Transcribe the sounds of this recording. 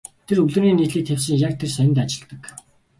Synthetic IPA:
t̪ʰerɵɮɵ̆niːniːt̪ɮiːk̚t̪ʰewʲsə̆ŋjak̚t̪ʰersæɪ̆nt̪at͡ɕɪ̆ɮt̪ə̆k

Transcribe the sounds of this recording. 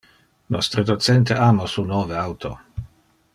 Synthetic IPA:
nɔst̪ɾəd̪ot̪sɛnt̪eʔamosunoːveawt̪ʰo

